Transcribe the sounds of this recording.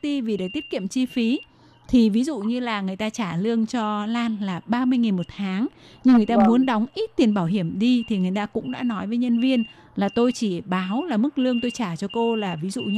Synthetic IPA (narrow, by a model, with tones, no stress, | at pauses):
ɗi˧vi˨˩ɗəː˨˩jt̪i˦˥ət̚kḭ˧˨əmt͡ɕi˧fi˨˦ | t̪ʰi˨˩vi˨˦zṵ˧˨ɲɨ˧laː˨˩ŋɨ˨˩əjt̪aː˧t͡ɕaː˧˩lɨ˧əŋt͡ɕɔ˧laː˧nlaː˨˩ɓaː˧mɨ˧əjŋi˨˩nmo˨˩t̚t̪ʰaː˨˦ŋ | ɲɨ˧ŋːɨ˨˩əjt̪aː˧mu˨˦ənɗɔ˨˦wŋ͡mʔi˦˥t̚t̪i˨˩ənɓaː˧˩wɦi˧˩əmɗi˧t̪ʰi˨˩ŋɨ˨˩əjt̪aː˧kʊ̰˧˥ŋ͡mɗa̰ː˧˥nɔ˨˦jvəː˨˦jɲə˧nvi˧ən | laː˨˩t̪o˧jt͡ɕi˧˩ɓaː˨˦wlaː˨˩mɨ˦˥k̚lɨ˧əŋt̪o˧jt͡ɕaː˧˩t͡ɕɔ˧ko˧laː˨˩vi˨˦zṵ˧˨˧